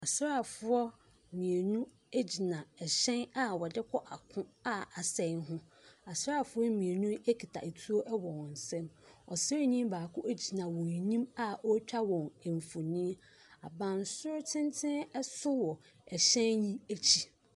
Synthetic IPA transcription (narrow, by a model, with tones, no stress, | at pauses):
a˨sɾa˨fʊ˦ɔ˦˨ | mĩ˨e˨nũ˦ | e˦d͡ʑi˨nã˨ɛ˨ɕɛ̃˦na˨wɔ˨dɪ˦kʰɔ˦ʔa˨kʰʊ̃˦a˦a˨sɛ̃˨˦n˦ɦʊ̃˦ | a˨sɾa˦˨fʊ˦ɔ˦mĩ˨e˨nũ˦e˦kʰi˨tʰa̰˨e˨tʰu˦o˦ʔɛ˦wɔ̃˨wɔ̃˨n̩˨sɛ̃˦mɔ˨sɛ˦ɲĩ˦mbaː˨kʰʊ̃˦ʔe˦d͡ʑi˨nã˨wɔ̃˨ɲĩ˦ma˨ʔɔ˦t͡ɕᶣa˦wɔ̃˨ŋ˨ɱ˨fo˨nĩ˦ | a˨bã˨n˨sʊ˦ɾʊ˦tʰɪ̃˦ntʰɪ̃˦nɛ˦sʊ˦wɔ˨ | ɛ˨ɕɛ̃˦njĩ˦æ˦t͡ɕʰi˦